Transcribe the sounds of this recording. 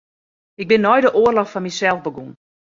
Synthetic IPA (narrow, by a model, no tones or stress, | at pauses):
ɪɡ̚bɪnːɔjdəʔoərlɔxfɔnmisɛlˠvbəɡun